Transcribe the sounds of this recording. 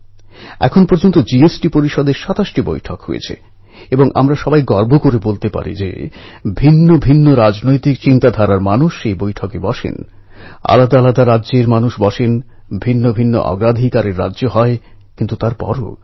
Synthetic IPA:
ɛ̰kʰonpoɾd͡ʑont̪od͡ʑiesʈipoɾiʃɔd̪eɾʃat̪aʃʈibo̰jʈʰɔkɦo̰jḛt͡ɕʰḛ | eboŋʔa̰mɾaʃɔbajɡɔɾbʱokoɾebolt̪epa̰ɾḭd͡ʑḛbʱinːobʱinːoɾad͡ʑnojt̪ikt͡ɕint̪ad̪ʱaɾaɾmanuʃːejbojʈʰɔkebɔʃḛn | a̰lad̪alad̪aɾadːʑeɾmanuʃbɔʃen | bʱinːobʱinːo̰ʔɔ̰ɡɾad̪ʱikaɾeɾːa̰dːʑoɦɔe | kint̪ut̪aɾpɔ̰ɾo̰

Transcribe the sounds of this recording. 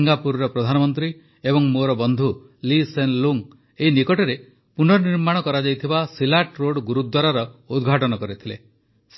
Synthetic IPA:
ŋɡapuɾɾɔpɾɔd̪ʱanɔmɔnt̪ɾi | ebɔŋmoɾɔbɔnd̪ʱu | lisenluŋ | einikɔʈɔɾe | punɔniɾmaɽ̃ɔkɔɾad͡ʒajt̪ʰibasilaʈɾoɽɡuɾud̪waɾaɾɔud̪ɡʱaʈɔnɔkɔɾit̪ʰilḛ | s

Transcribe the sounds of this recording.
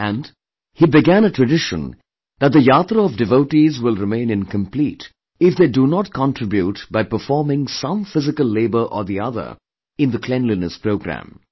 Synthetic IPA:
æ̃nd | hibɪɡæ̃nətɹɨɖɪʃə̰̃n | d̪æt̚d̪əjat̪ɾəɔvdɨvoʊʈizwɪlˠɹɪmẽɪ̃nɪ̃nkə̃mpliːt | ɪfd̪edunɔt̚kʰɑ̃ntʰɹ̥ɪbjutbaɪpəfɔːmɪ̃ŋsʌ̃mfɪzɪkəlˠːeɪbə˞ʔə̰ðiʌðə̰˞ | ɪ̃nðəkʰlɛ̃nlinəspɾoʊɡɾæ̰̃m

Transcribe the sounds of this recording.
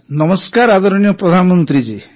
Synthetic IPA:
nɔmɔskaɾad̪ɔɾɔñijɔpɾɔd̪ʱanɔmɔnt̪ɾid͡ʒi

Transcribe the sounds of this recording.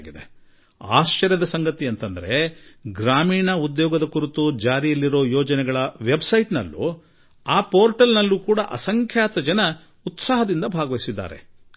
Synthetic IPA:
ɡid̪e | a̰ːʃt͡ʃɐɾjɐd̪ɐsɐŋɡɐt̪iɐnt̪ɐnd̪ɐɾe̞ɡɾaːmiːɳɐud̪jɔːɡɐd̪ɐkuɾut̪ud͡ʒaːɾijɐlːiɾo̞ːjɔːd͡ʒɐnɛɡɐɭɐʋe̞bsɐjʈnɐ̰lːṵ | aːpoːɾʈɐlnɐlːuːkuːɽɐʔɐsɐŋkʰjaːt̪ɐd͡ʒɐnɐ | ut̪saːɦɐd̪ind̪ɐbʱaːɡɐʋɐisid̪ːa̰ːɾe̞̰

